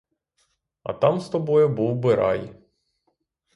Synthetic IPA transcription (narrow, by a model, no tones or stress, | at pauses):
ɐ̰t̪ɑmst̪ɔbɔjʊbuwbɪɾɑ̰j